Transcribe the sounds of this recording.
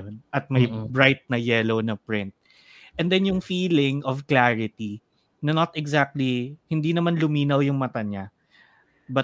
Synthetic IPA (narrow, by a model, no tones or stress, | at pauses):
onʔɐt̪̚mɐjbɹajt̪̚nɐjɛlownɐpɹɪ̃nt̪̚ | ʔɛnd̪ɛnjʊŋfiːlɪŋʔɔvklaɹɪt̪i | nɐnot̪ɛɡzak̚t̪lihɪnd̪inɐmanlʊmiːnɐwjʊŋmɐt̪aɲa | bɐ